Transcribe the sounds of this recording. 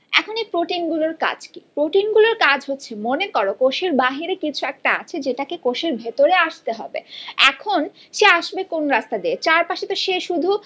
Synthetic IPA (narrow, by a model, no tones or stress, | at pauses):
ɛ̰kʰonepɾoʈinɡuloɾka̰d͡ʑkipɾoʈinɡuloɾkad͡ʑʱɦotːɕʰemonekɔɾokoʃeɾbaɦiɾekit͡ɕʰuɛk̚ʈaa̰t͡ɕʰed͡ʑeʈakekoʃeɾbʱet̪oɾeaʃt̪eɦɔ̰bḛɛ̰kʰon | ʃeaʃbekonɾast̪ad̪iet͡ɕaɾpaʃet̪oʃeʃud̪ʱu